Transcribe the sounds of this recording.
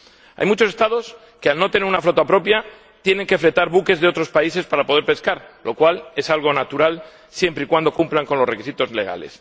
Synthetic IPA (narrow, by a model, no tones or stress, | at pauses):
a̰jmut͡ʃose̞st̪að̞o̞s | ke̞alno̞t̪ene̞ɾunaflot̪apɾo̞pja | t̪je̞ne̞ŋke̞fle̞t̪aɾβuke̞zðeo̞t̪ɾo̞spaise̞spaɾapo̞ð̞e̞ɾpe̞skaɾlo̞kwale̞salɣ̞o̞nat̪uɾal | sje̞mpɾeikwand̪o̞kumplaŋko̞nlore̞kisit̪o̞sle̞ɣ̞a̰le̞̰s